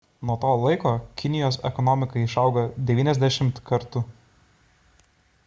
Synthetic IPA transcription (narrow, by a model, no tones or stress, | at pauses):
nuɔt̪oːlˠɐɪkoːkʲɪnʲɪjoːsɛ̰kɔnɔmʲɪkɐɪɪʃɐʊɡɐd̪ʲɛʋʲiːnʲɛzʲd̪ʲæʃʲɪmt̪kɐɾt̪ʊ